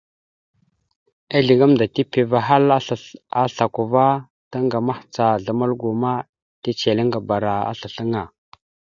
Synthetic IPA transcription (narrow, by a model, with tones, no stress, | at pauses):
a˦ɮi˨ɡa˦mda˨ti˦pi˨va˨ɦa˦la˦ɬa˨ku˨va˦ | ta˦ŋɡa˨ma˦ht͡sa˨ɮa˨ma˦lɡu˨ma˦ | ti˦t͡ʃe˨li˦ŋɡa˨ba˨ɾa˨a̰˦ɬa˨ɬə˦ŋa˨